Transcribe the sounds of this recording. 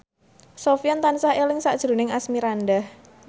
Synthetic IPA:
sofiɔnt̪ansahelɪŋsa̰ʔd̥ʒ̥ɾṳnɪŋasmiɾandah

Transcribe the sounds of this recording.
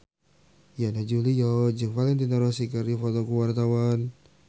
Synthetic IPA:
janad͡ʒulijɔd͡ʒɨŋfalɛnt̪inaɾɔsikəɾifɔt̪ɔkuwart̪awan

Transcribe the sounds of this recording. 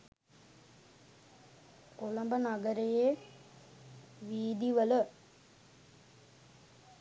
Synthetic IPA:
olɐmbɐnɐɡəɾeje | ʋiːd̪iʋələ

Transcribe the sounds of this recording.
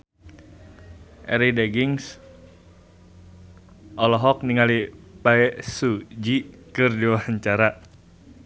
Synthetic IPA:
ʔɛ̰ɾidɛɡiŋs | ʔɔlɔɦɔk̚niŋalipaɛsud͡ʒi | kɨrdiwaɦaɲt͡ʃaɾa

